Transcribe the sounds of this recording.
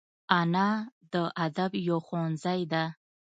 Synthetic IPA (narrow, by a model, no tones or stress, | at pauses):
anad̪əʔad̪abjoxonzajd̪a